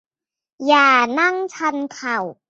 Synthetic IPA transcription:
jaː˨˩na˥ŋt͡ɕʰa˧nkʰa˨˩w

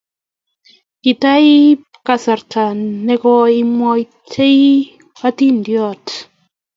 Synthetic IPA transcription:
ki˨ta˦j | kasa˨ɾta˨ne˦kɔi˦mɔj | tʰe˦j | wa˦ti˦ndjɔt

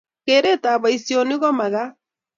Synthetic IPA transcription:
keɾe˦taː˨βa˨isio˨ni˦ɣɔ˦ma˨ɣa˦

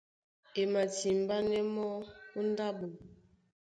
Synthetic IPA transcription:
e˨ma˨ti˨m˨ba˦nɛ˦mɔ˦u˦n˦da˦bo˨

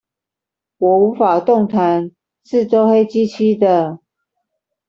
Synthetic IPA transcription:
wɔ˨˦u˨˥fa˨˩t̪ʊ˥˨ŋt̪ʰa˨˦n | ʂɻ̩˥˨ʈ͡ʂo˥ʊxe˥ɪt͡ɕi˦˥t͡ɕʰi˥d̪ə˨

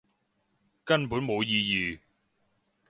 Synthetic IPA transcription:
kɐ˥npuː˨˥nmo˨˧wjiː˧jiː˨˧

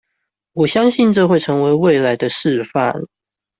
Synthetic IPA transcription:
wɔ˨˩ɕjɑ˥ŋɕi˥˨nʈ͡ʂɤ˥˧xwe˥˨ɪʈ͡ʂʰɤ˧˥ŋwe˧˥ɪwe˥˨ɪla˨˦ɪd̪ə˧ʂɻ̩˥˧fa̰˥˨˩n

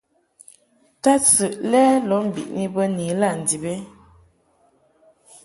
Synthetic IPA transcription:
ta˦t͡sɨ˨ʔlɛː˦lɔ˨˦m̩˨bḭ˨ʔni˦bə˦ni˨la˦˨n̩˨di˨be˦

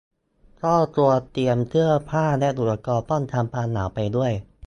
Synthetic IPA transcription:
kʰɔː˥˩t̪u˧ət̪i˧əmt̪ʰɯ˥˩əpʰaː˥˩lɛ˦˥d̪uː˨˩ɾa˧kɔː˧pɔː˥˩nt̪ʰaː˧mpaː˧nːaː˩˦wpa˧jdu˥˩əj

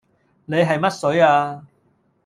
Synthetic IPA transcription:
ne˨˧jɦɐ˨jmɐ˥t̚sɵ˨˥ɥaː˧

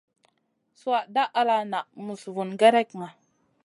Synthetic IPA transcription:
su˦a˨ʔda˦ʔa˦la˨na˨ʔmu˨svu˨nɡa˦ɾɛ˦kŋa˨

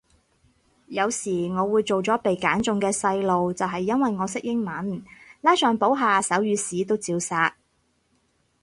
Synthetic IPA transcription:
jɐ˨˧wsiː˨˩ŋɔː˨˧wuː˨˧jt͡so˨wt͡sɔː˨˥pe˨jkaː˨˥nt͡sʊ˨ŋkɛː˧sɐ˧jlo˨wt͡sɐ˨wɦɐ˨jːɐ˥nwɐ˨jŋɔː˨˧sɪ˥k̚jɪ˥ŋmɐ˨˥nlaː˥jsœː˨ŋpo˨˥wɦaː˨˧sɐ˨˥wjyː˨˧siː˨˥t̪o˥wt͡siː˧wsaː˧t̚

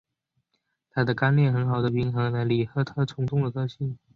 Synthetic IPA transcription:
t̪ʰa˥d̪ə˨ka˥nljɛ˥˩nxə˧˥nxɑ˨˩ʊd̪ə˦pi˧˥ŋxɤ˧˥na˧˥ɪli˨˩xɤ˥t̪ʰɤ˥t͡sʰʊ˧˥ŋt͡sʊ˥˩ŋd̪ə˩kɤ˥˧ɕi˥˩n

